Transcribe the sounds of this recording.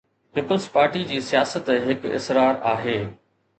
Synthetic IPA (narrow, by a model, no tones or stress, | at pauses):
piːpəlzpaːɾʈid͡ʑiːsijaːsət̪ɦɪkɪ̰sɾaːɾaːɦeː